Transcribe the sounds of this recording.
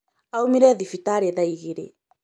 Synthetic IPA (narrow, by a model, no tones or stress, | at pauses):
awmiɾeðifit̪aɾeðajɣiɾḛ